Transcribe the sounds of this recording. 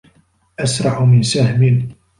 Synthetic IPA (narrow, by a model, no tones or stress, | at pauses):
ʔasɾˤɑʕʊmɪnsahmɪn